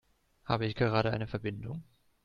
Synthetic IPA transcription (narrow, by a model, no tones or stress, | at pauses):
ha̰ːbəɪçɡ̥əʁ̞aːɾəʔa̰ɪnəfɛɐbɪndʊŋ